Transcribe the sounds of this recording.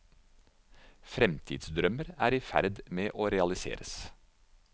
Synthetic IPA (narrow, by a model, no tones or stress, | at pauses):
fɾɛmt̪ʰḭd̪sd̪ɾœməɾæːɾiːfæ̰ɾd̪meːʔoːɾɛɑlɪsḛːɾəs